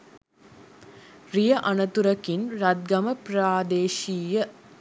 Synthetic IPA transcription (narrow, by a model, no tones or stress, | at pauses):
ɾijɐʔɐnɐt̪uɾɐkinɾɐt̪̚ɡɐmɐpɾaːd̪eːʃiːjɐ